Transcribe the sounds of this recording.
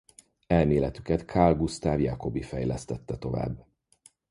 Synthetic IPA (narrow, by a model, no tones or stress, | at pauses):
ɛlmeːlɛt̪ykɛt̪kʰaːlɡust̪aːvjaːko̞bifɛjlɛst̪ɛt̪ːɛt̪o̞va̰ːbː